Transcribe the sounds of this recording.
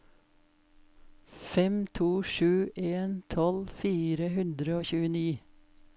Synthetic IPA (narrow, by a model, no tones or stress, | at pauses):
fɛmt̪ʰuːʃʉːʔeːnt̪ʰɔlfiːɾəhʉnd̪ɾəoːçʉːəniː